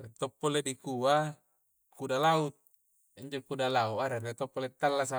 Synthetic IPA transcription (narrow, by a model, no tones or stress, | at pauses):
ret̪ɔpːoledikua | kudalaut̪̚ | iɲd͡ʒokudalauʔaɾeret̪ɔpːolet̪ːalːasa